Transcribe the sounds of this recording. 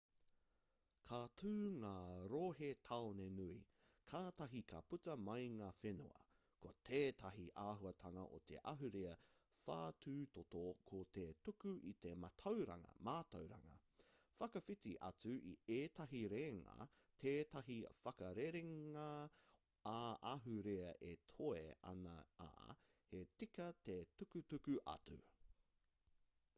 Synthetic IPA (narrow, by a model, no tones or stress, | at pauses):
kʰatʰʉːŋaːɾoːɦet̪ʰaonenui | kʰaːt̪ɐɦikʰɐputɐmɐjŋaːfenṵɐ̰ | kot̪ʰeːtʰɐɦiʔaːɦuɐt̪ʰɐŋɐ̰ʔo̰t̪ʰe̞̰ʔɐɦuɾeɐ | fa̰ːtʰʉːt̪otokʰot̪etukuʔit̪e̞mɐtʰɐwɾɐ̰ŋɐ̰maːt̪owɾɐ̰ŋɐ̰ | fɐkɐfitiʔɐt͡sʉʔḭeːtʰɐɦiɾeːŋɐ̰ | tʰeːtɐɦifɐkɐɾeɾeŋa | aʔɐɦuɾeɐʔetʰoeɐ̰nɐ̰a̰ː | het͡sikɐtetukutukʉʔɐ̰t͡sṵ